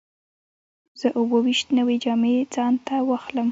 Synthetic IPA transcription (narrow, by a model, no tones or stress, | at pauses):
z̥əʔʊwəwiʃt̪nəwed͡ʒɑmed͡zɑnt̪awɑxləm